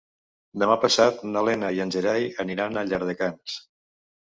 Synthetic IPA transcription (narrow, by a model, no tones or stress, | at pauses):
d̪əmapəsat̪nalɛnajanʲʒeɾajəniɾanəʎaɾð̞əkans